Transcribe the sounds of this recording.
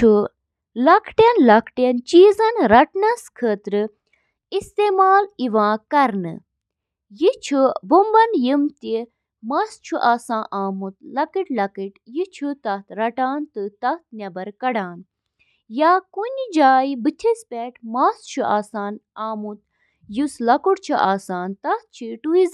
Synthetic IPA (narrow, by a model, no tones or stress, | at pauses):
t͡ʃʰu | lɐkʰʈjɐnlɐkʰʈɐnt͡ʃiːzɐnɾɐʈnɐskʰəːt̪ɾɨ | ist̪eːmaːliʋãːkɐɾnɨ̰ | jit͡ʃʰubumbɐnjimt̪i | mɐst͡ʃʰuʔaːsãːʔaːmut̪̚lɐkiʈlɐkɨʈjit͡ʃʰut̪ɐt̪ɾɐʈaːnt̪ɨt̪ɐt̪̚nʲɐbɐɾkɐɽaːn | jaːkunʲd͡ʒaːjbɨt̪ʰispʲɛʈʰmast͡ʃʰuʔaːsaːnaːmut̪̚ | juslɐkuɽt͡ʃʰuʔaːsaːnt̪ɐt̪̚t͡ʃʰiʈuiz